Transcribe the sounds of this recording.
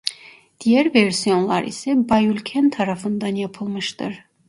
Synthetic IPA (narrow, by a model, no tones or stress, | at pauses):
d̪̥ijɛɾvɛɾsijɔnlˠɑ̰ɾḭsɛbɑjulʲkʲʰɛnt̪ʰɑɾɑfɯnd̪ɑnjɑpʰɯlˠmɯʃt̪ɨɾ